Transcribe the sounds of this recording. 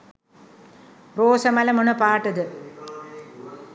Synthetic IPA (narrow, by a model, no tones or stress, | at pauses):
roːsɐmɐlɐmonɐpaːʈːɐd̪ɨ